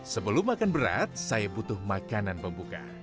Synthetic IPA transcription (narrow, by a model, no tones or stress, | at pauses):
səbəlʊmakanbəɾa̰t̪̚sajabut̪ʊhmakananpəmbuka̰